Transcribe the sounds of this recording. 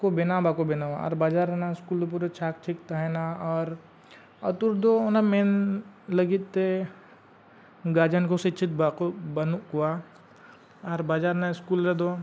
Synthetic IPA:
kobɪnabakobɪnaʋaɔ̰ɾbaːd͡ʒaːɾenaɪskuːld̪op̬uɾet͡ʃʰaːk̚t͡ʃʰikt̪aɦɛnaɔɾ | ɐt̪uɾd̪oonamenləɡit̪ːe | ɡaːd͡ʒənkosɪt͡ʃʰit̪bakobɐnukua | aɾbaːd͡ʒaːɾnaɪskuːlɾed̪o

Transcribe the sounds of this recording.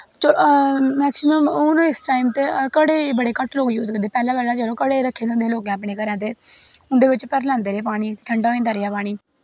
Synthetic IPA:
t͡ʃoː | ɛːksɪməmʊnõɪsʈaːimt̪eːkəɽeːbəɽeːkəʈloːɡjuːzkəɾd̪eːpɛːlãːpɛːlaːd͡ʒəlõːkəɽeːɾəkʰːeːd̪ʊ̃nd̪eːloːɡẽaːpɽeːkəɾɛ̃ːd̪eːʊnd̪eːʋɪt͡ʃpəɾlãːnd̪eːɾeːpaːɽ̃iːʈʰəɳɖãːĩːnd̪aːɾɪjaːpaːɽ̃iː

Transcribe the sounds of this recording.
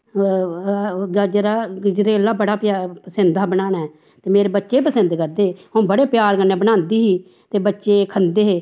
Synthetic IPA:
ɡəd͡ʒɾaːɡɪd͡ʒɾeːlaːbəɽaːpːpəsənd̪aːbənaːɳa | t̪eːmeːɾeːbətːʃeːpəsənd̪kəɾd̪eːõːbəɽeːpjaːɾkənːeːbənãːnd̪iːɦiː | t̪eːbətːʃeːkʰənd̪eːɦeː

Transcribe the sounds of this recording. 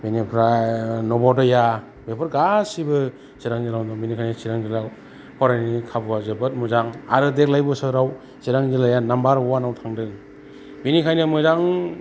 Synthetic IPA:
binipʰɾanɔbɔdɔja | bepʰɯɾɡasibɯ | siɾaŋzilawdɔmbinikʰajnɯsiɾaŋzila | pʰɔɾajnikʰabɯazɯbɯt̚muzaŋa̰ɾɯdek̚lajbɯsɯɾaw | siɾaŋzilajanambaɾɔwanawtʰaŋdɯŋ | binikʰajnɯmɯzaŋ

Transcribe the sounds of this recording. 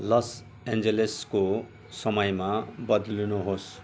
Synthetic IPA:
lʌs | end͡zelesko | sʌmʌjmabʌd̪lunuɦos

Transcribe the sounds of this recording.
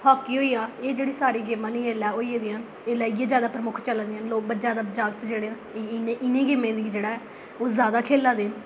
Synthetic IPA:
pʰaːkiːɦoːiːaːeːd͡ʒeːɽiːsaːɾiːɡɪmãːnĩːeːlaːoːiːeːd̪iːãː | eːlaːɡːẽːzjaːd̪aːpɾəmʊkʰt͡ʃəlãnd̪ɪjãːnloːk̚bəd͡ʒaːd̪aːd͡ʒaːɡt̪d͡ʒeːɽeːãːeɪneɪnẽːɡɪmẽːd̪iːd͡ʒeːɽaːɦɛː | oːzjaːd̪aːkʰeːlaːd̪eː

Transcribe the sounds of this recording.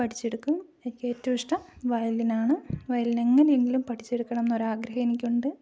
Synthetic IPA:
pɐʈʰi̥t͡ɕːeɽukːumenikʲːeːtːɐʋiʂʈɐmʋɐjɐlinaːɳɨʋɐjɐline̞ŋːɐneeŋɡilumpɐʈʰi̥t͡ɕːeɽukːɐɳɐmenːo̞ɾaːɡɾɐhɐjenikʲːuɳɖɨ

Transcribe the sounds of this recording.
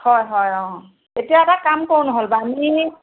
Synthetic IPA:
hɔjɦɔjɔ̃ | etijaɛtakamkownɔɦolbami

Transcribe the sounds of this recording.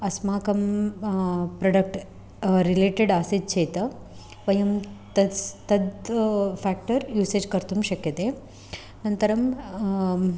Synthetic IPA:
ɐsmaːkɐm | pɾɐɖɐk̚ʈ | ɾileːʈeɖaːsid̪̚t͡ʃeːt̪ɐ | ʋɐjɐmt̪ɐt̪ɐd̪pʰaːk̚ʈɐɾjuːseːd͡ʒkɐɾt̪umʃɐkjɐt̪e | nɐnt̪ɐɾɐm

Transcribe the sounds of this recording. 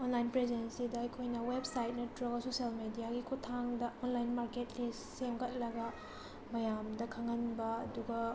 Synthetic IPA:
onlajnpɾezensidɐɐjkʰojnɐwebsajt̚nɐtʰuɾɐɡɐsosijalmedijaɡikʰutʰaŋdɐonlajnmaɾketlissemɡɐt̚lɐɡɐ | mɐjamdɐkʰaŋɐnbɐːduɡɐ

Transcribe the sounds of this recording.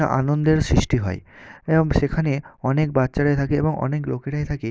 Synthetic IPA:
aʔa̰nond̪eɾsɾiʃʈiɦɔ̰ḛeboŋʃekʰaneɔnek̚batːʃaɾajt̪ʰakeḛboŋʔɔ̰neklokeʈajt̪ʰake

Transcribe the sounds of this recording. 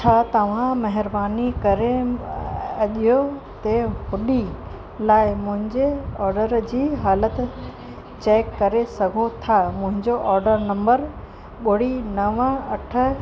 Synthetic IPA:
t͡ɕʰaːt̪ɐʋ̤ãmɐɦɪɾbaːnikɐɾe | ɐʄijot̪eɦʊɗi | laːɪmʊ̃ɦɪ̃ɲd͡ʑeɔːɾɖəɾd͡ʑiːɦaːlət̪ | t͡ɕeːkːɐɾesɐɡʱot̪ʰamʊ̃ɦɪ̃ɲd͡ʑoʔɔːɾɖəɾnɐ̃mbəɾ | ɓʊɽinɐʋə̃ɐʈʰə̆

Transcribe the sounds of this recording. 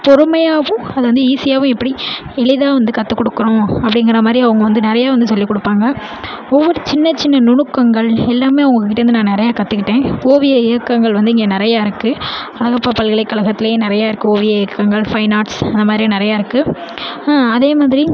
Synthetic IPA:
pɔɾɯmɐjaːʋʊ̃ɐðɯʋɐnd̪ɯiːsɪjaːʋʊ̃ɛpːɐɽiɛɭɪðaːʋɐnd̪ɯkɐt̪ːɯkːɔɽɯkːɯɾõːɐpːɐɽɪŋɡɪɾɐmaːd̪ɾiɐʋɐŋɡɐʋɐnd̪ɯnɪɾɐjaːʋɐnd̪ɯsɔlːikːɔɽɯpːaːŋɡɐ | ɔʋːɔɾɯt͡ʃɪnːɐt͡ʃːɪnːɐnʊɳɯkːɐŋɡɐɭɛlːaːmeːɐʋʊŋɡɐkːkːɪʈːɐɾɯnd̪ɯnãːnɪɾɐjaːkɐt̪ːɯkːɪʈːẽːoːʋɪjɐɛkːɐŋɡɐɭʋɐnd̪ɯɪŋɡeːnɪɾɐjaːɪɾɯkːɯ | ɐlɐɣɐpːɐpɐlɣɐɭɐɪkːɐlɐɣɐt̪ːɪlɐjeːnɪɾɐjaːɪɾɯkːɯoːʋɪjɐɛːkːɐŋɡɐɭfɐɪnaːʈsɐnd̪ɐmaːðɾinɪɾɐjaːɪɾɯkːɯ | aːɐðeːmaːðɪɾi

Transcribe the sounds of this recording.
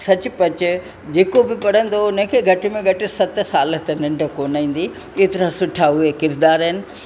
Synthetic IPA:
sɐt͡ɕʊ̆pɐt͡ɕɪ̆ | d͡ʑeːkobɪpɐɽ̤ə̃nd̪onɐ̃kʰeɡʱɐʈɪmẽɡʱɐʈɪsɐt̪̆saːlət̪enɪ̃ɳɖʱə̆koːnaːĩːn̆d̪i | et̪ɪɾãsʊʈʰaɦʊekɪɾd̪aːɾəɦɪnɪ̆

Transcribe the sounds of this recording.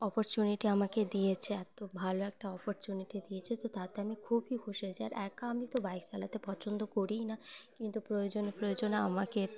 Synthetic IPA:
ɔpoɾt͡ɕuniʈiamaked̪ijet͡ɕʰeɛt̪obʱaloɛk̚ʈaɔpoɾt͡ɕuniʈid̪ijet͡ɕʰet̪ot̪at̪eamikʰubʱikʰoʃet͡ɕʰea̰ɾɛkaamit̪obajksalat̪epɔt͡ɕʰond̪okoɾinakint̪upɾojod͡ʑonepɾojod͡ʑonaa̰make

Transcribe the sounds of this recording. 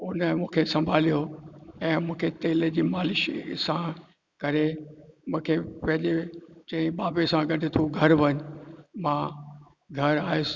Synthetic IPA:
ʊnəmũːkʰesɐ̃mbʱaːlijoɛ̃ːmũːkʰet̪eːled͡ʑiːmaːlɪʃḭsã | kɐɾemũːkʰepɐ̃ɦɪ̃ɲd͡ʑet͡ɕɐ̃ɦɪ̃ɓaːbesãɡɐɗʱɪt̪ʰuɡʱɐɾʋɐɲmã | ɡʱɐɾaːɦe

